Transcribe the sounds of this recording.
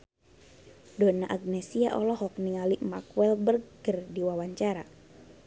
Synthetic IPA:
donaʔaɡ̚nesiaʔɔlɔɦɔk̚niŋaliʔmakuɛlbərɡ̥ərdiwawaɲt͡ʃaɾa

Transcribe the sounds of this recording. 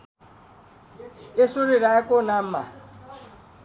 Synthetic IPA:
esuɾiɾaɛkɔnam̩ma̰

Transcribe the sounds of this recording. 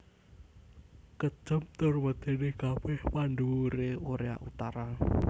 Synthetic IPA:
kə̥t͡ʃəmt̪ʊrwəd̪̥e̤nekabɛhpaɳɖuɾeoɾea̰ʔut̪aɾa

